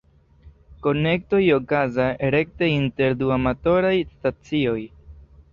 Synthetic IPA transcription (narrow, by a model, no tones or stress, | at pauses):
ko̞ne̞k̚to̞jo̞kazaɾe̞k̚teinte̞ɾduamato̞ɾajstat͡sio̞j